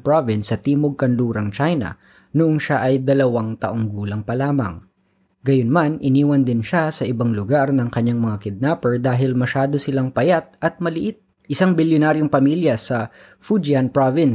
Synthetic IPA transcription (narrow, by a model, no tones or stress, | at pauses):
pɹovɪnsːɐt̪iːmoɡ̚kɐnluːɾɐŋt͡ʃajnɐ̰ | nʊʔoŋʃaʔɐjd̪ɐlɐwaŋt̪ɐʔoŋɡuːlɐŋpɐlaːmɐ̰ŋ | ɡɐjonmanʔɪniːwɐnd̪ɪnʃasɐʔɪbaŋlʊɡaɾnɐŋkɐɲːaŋmɐŋakɪd̪̚napɛɹd̪aːɦɪlmɐʃaːd̪o̞sɪlaŋpɐjat̪̚ʔɐt̪̚mɐlɪʔɪt̪̚ | ʔɪsaŋbɪljonaːɾjoŋpɐmiljɐsɐ | fud͡ʒɪanpɹovɪn